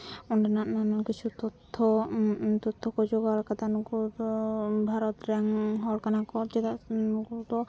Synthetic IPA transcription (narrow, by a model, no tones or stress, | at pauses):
uɳɖanaʔnanɔkit͡ʃʰut̪ɔt̪ʰːɔt̪ɔt̪ʰːɔkɔd͡ʒɔɡalkat̪anukuɔbʱaɾɔt̪ɾɛŋɦɔɾkanakɔɾd͡ʒet̪aukut̪ɔ